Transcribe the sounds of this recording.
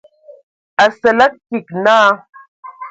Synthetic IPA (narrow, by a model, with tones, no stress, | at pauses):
a˨sə˨la˦k̚ːi˨kna˦